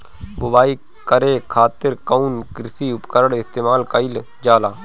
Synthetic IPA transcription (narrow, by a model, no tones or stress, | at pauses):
bʊbaːiː | kəɾeːkʰaːt̪ɪɾkəuːnkɪɾsiːʊpkəɾəɽɪst̪eːmaːlkəil | d͡ʒaːlaː